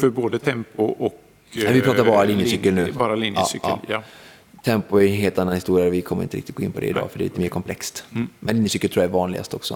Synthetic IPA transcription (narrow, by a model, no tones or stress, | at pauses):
fœɾboːd̪ət̪ʰɛmpʊʔɔk | ɛvɪpʰɾɑːt̪aɾbɑːɾalinjəsʏkːəlnʉ̟ːbɑːɾalinjɑ̰ːsyʔɑ̰ː | t̪ʰɛmpʊæɾɛnɦeːlt̪anːanhɪst̪uːɾɪjaɾɔvɪkʰɔmːəɾɪ̰nt̪əɾɪk̚t̪ɪt̪ɡoɪ̰npʰɔd̪ɛ̰ɪd̪ɑ̰ːfœɖɛliːt̪əmeːɾkʰɔmpʰlɛkst̪mɛnlinjəsʏːkːlt̪ʰɾuːjaæɾvɑːnlɪɡa̰st̪ɔksɔ̰